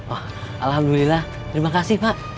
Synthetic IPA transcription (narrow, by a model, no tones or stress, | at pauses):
ah | alhamdulilah | t̪əɾimakasɪhpaʔ